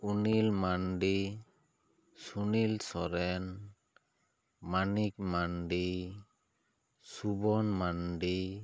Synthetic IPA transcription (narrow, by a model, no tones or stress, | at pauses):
unilmanɖi | sunilsɔɾɛn | manik̚manɖi | subɔnmanɖi